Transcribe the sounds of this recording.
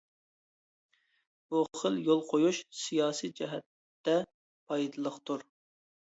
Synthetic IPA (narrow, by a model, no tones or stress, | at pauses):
b̥uχəljolˠqʰojuʃsijɑːsid͡ʒɛɦɛt̪ː | ɛ | pʰɑjd̪ɨlˠəqt̪ʰuɾ